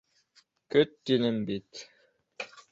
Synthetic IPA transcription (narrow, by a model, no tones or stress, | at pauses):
køt̪ːinɘmbit̪